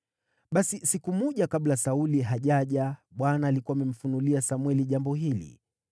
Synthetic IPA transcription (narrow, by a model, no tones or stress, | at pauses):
ɓasisikumɔʄakaɓlasauliɦaʄaʄaɓwanaːlikuamɛm̩funuliasamwɛliʄambɔɦilḭ